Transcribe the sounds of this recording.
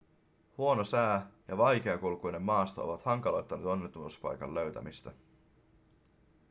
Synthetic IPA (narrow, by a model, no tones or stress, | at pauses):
huo̞no̞sæːjɑʋɑjk̟e̞ɑkulkujne̞mːɑːst̪oo̞̰ʋɑt̪hɑŋkɑlo̞jt̪ːɑnet̪o̞nːet̪ːunuspɑ̰jkɑ̰lːø̞ɥt̪æ̰mist̪æ